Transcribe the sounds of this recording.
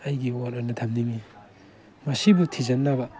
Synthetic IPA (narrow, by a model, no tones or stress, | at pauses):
ɐjɡiwaɾɐnɐtʰamnimi | mɐsibutʰizɐnːabɐ